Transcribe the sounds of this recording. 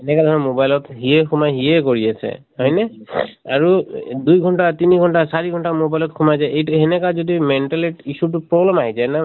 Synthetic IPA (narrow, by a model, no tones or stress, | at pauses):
ɛnɛkad̪ʱɔɹɔmobajlɔtɦiɛxumajɦiɛkoɹiasʰɛ̰hɔjnɛaɹudujɡʱɔntatiniɡʱɔntasaɹiɡʱɔntamobajlɔtkʰumajzajejtuɦɛnɛkazodimɛnʈɛleʈisutʊpɹɔblɛmaɦizajna